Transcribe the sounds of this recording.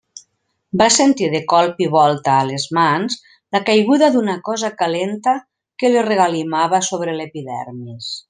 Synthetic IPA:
basent̪iðekɔlˠpiβ̞ɔlˠt̪aːlezmanz | lakajɣuðaðunakɔzakalent̪a | kelireɣalimaβasoβɾelepiðɛ̰ɾmis

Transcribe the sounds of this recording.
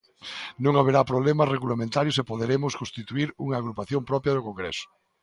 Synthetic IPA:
nõŋaβeɾapɾoβlemɐsreɣulamẽnt̪aɾjʊsepoðeɾemʊskost̪it̪uiɾuŋaːɣɾupaθjompɾɔpjɐðʊkoŋɡɾɛ̰sʊ̥

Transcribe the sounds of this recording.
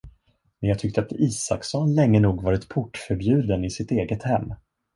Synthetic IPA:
mɛnjɑːɡt̪ʰʏk̚t̪əat̪iːsa̰ksɔnlɛŋːənuːɡvɑːɾɪt̪pʰʊʈːfœɾbjʉ̟ːd̪ənɪsɪt̪eːɡət̪hɛmː

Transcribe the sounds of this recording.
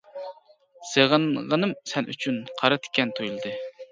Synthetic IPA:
seʁənʁənɨmsɛnʔy̰t͡ʃʰynqʰɑɾɨt̪ʰɪ̥kʲʰːɛnt̪ʰojulˠɨd̪ɨ

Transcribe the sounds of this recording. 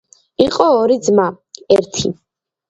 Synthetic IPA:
iqʼɔːɾid̪zma | ɛɾt̪ʰḭ

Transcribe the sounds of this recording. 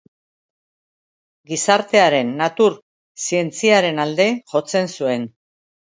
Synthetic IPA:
ɡisaɾt̪e̞aɾe̞nːat̪uɾ | sie̞nt͡siaɾe̞nald̪e̞ʝo̞t͡se̞nsue̞n

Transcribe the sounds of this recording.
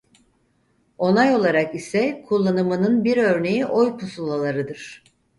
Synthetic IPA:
o̞najo̞lˠaɾakisɛkʰulˠːanɯmɯnɯnbiɾø̞ɾne̞jiʔojpʰusulˠalˠaɾɯd̪ɯɾ̥

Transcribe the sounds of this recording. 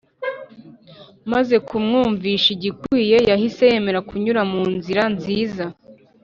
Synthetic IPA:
maze̞kumŋuːɱviʃiɟikwiːje̞jahise̞je̞me̞ɾakuɲuɾamuːnziɾanziːza

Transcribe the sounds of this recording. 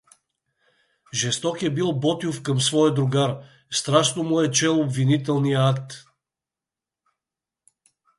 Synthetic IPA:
ʒɛst̪ɔkɛbilˠbɔt̪iufkəmsvɔjəd̪ɾʊɡaɾ | st̪ɾaʃnomuɛt͡ʃɛlˠobvinit̪ɛlˠnijəakt̪

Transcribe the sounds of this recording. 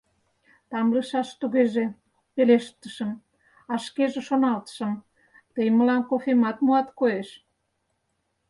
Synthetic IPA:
t̪ɑmləʃɑʃt̪uɣeʒe | peleʃt̪ə̆ʃə̆m | ɑʃkeʒeʃonɑlt̪ə̥ʃə̆m | t̪əjməlɑnkofemɑt̪muɑt̪koeʃ

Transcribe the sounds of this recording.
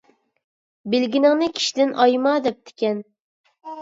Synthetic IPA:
bɪlɡʲinɪŋnɪkʲʰi̥ʃid̪ɪnʔɑjmɑd̪ɛp̚t̪ʰɪ̥kʲɛn

